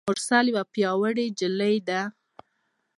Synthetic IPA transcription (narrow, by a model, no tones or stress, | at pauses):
ʊɾsaljwapjɑwəɽed͡ʒɪləjd̪a